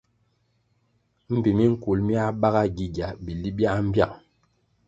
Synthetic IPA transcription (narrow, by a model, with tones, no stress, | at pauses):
m̩˦bi˨mi˦ŋ̩˦ku˨lmi˦a˦ba˦ɣa˦ɡi˨ɡja˨bi˨li˦bja˦m̩˦bja̰˦˨